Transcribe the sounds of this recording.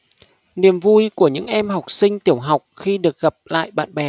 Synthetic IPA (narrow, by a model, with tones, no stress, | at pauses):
ni˨˩əmvu˧jku˧˩əɲɨ̰˧˥ŋʔɛ˧mɦa˨˩wk͡p̚sï˧ŋ̟t̪i˧˩əwɦa˨˩wk͡p̚xi˧ɗɨ˨˩ək̚ɣə˨˩p̚la̰ː˧˨jɓa̰ː˧˨nɓɛ˧˩